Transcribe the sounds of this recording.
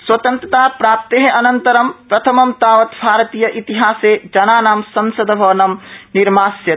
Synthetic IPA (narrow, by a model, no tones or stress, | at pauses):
swɐt̪ə̃nt̪ɾət̪aːpɾaːp̚t̪eɦẽʔɐnɐnt̪əɾɐmpɾɐt̪ʰɐmɐmt̪aːʋɐt̪bʱaːɾt̪iːjɐʔit̪iɦaːsed͡ʒɐnaːnaːmsɐ̃nsəd̪bʱɐʋnɐmniɾmaːsjɐ